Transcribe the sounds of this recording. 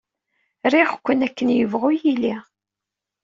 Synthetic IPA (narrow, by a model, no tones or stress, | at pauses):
ɾiʁkʷːənækːənjəvʁʊjili